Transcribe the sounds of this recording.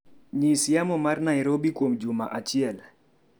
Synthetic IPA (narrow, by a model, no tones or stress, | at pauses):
ɲisijamɔmarnajɾobikwomd͡ʒʊmaʔat͡ʃiɛl